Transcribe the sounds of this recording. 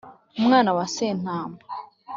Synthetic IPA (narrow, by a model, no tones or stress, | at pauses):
umŋaːnawaseːn̥haːma